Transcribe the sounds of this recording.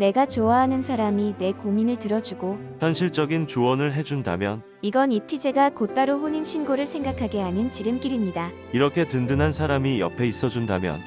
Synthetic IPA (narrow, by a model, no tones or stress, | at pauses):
ne̞ɡat͡ɕoaɦanɯnsʰaɾamine̞kominɯɭtɯɾʌd͡ʑuɡo | çjʌnɕʰiɭt͡ɕ͈ʌɡint͡ɕowʌnɯɭɦe̞d͡ʑunda̰mjʌn | iɡʌnitʰid͡ʑe̞ɡakot͈aɾoɸoɲinɕʰinɡoɾɯɭsʰe̞ŋɡakʰaɡe̞aɲint͡ɕiɾɯmk͈iɾimɲida | iɾʌkʰe̞tɯndɯnɦansʰaɾamijʌ̰pʰe̞is͈ʌd͡ʑunda̰mjʌ̰n